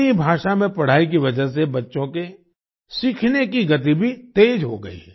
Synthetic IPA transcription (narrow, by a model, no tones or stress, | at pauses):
ibʱaːʃamẽpɐɽ̤aːik̬iʋɐd͡ʒəɦs̬ebɐtːʃõke | siːkʰnekiɡɐt̪ibʱit̪eːd͡ʒɦo̰ɡɐ̰ḭɦɛː